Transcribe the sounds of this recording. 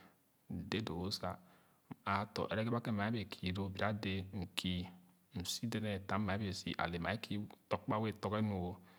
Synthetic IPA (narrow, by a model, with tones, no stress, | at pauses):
de˦do˨wo˦sa̰˨ | a˨˦to̰˨ʔḛ˨ɾe˦ɡe˦ba˦ke˦ma˨e˦be˨kʰi˨ɾo˦˨bi˨ɾa˦de˦ŋ̩˨kʰi˦ | m̩˨si˦de˦ne˨ta˨˦ma˨e˦be˨sḭ˨ʔa̰˨le˨ma˨e˦kʰi˦to˨kk͡pa˦we˦to˦ke˦no˨wo˦